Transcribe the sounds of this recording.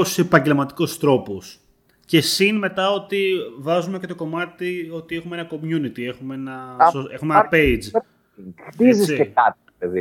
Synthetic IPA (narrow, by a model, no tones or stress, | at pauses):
ossepɐɲɟe̞lmɐt̪i̥ko̞st̪ɾo̞pos | ce̞sinme̞t̪ɐo̞t̪ivɐzumece̞t̪oko̞mɐt̪io̞t̪ie̞xumeenɐko̞mjunit̪ie̞xumeenɐoexumeenɐpeid͡z | xt̪iziseekɐt̪̚iopeði